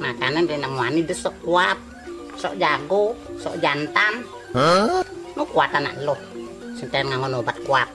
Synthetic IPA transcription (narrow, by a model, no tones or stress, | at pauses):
makanəndɛnaʔmuanidəsɔʔkuat̪̚ | sɔ̰ʔd͡ʒaɡosɔ̰ʔd͡ʒant̪an | hənukuat̪ana̰ʔlɔhsənt̪aanŋaŋɔnobat̪̚kuap̪̚